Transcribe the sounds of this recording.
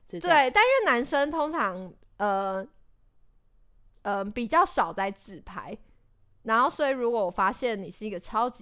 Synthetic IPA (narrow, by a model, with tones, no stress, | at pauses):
t̪wwe˥˩ɪt̪a˥˧nɻy˥˩na˧˥nʂə˦˥ŋt̪ʰo˥ŋʈ͡ʂʰɑ˧˦ŋ | ə˨˩ | ə˧pi˨˩t͡ɕjɑ˥˩ʊʂɑ˨˩ʊt͡sa˥˧ɪt͡sɹ̩˨˩pʰa̰˧˦ɪ | na˧˥nxo˥˩ʊswɔ˧˥i˨˩ɻu˧˥kwɔ˧˦wɔ˨˩fa˥ɕjɛ˥˨nni˨˩ʂɻ̩˥˩i˧˥ɡə˨˩ʈ͡ʂʰɑ˦˥ʊt͡ɕ